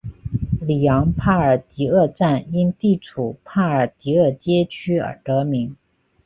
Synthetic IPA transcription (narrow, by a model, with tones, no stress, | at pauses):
li˨˩jɑ˧˥ŋpʰa˥˩ə˞˨˩t̪i˧˥ɤ˥˧ʈ͡ʂa˥˩ni˥nt̪i˥˩ʈ͡ʂʰu˨˩pʰa˥˩ə˞˨˩t̪i˧˥ə˥˩t͡ɕjɛ˥t͡ɕʰy˥ə̰˞˨˩t̪ɤ˧˥mi˧˥ŋ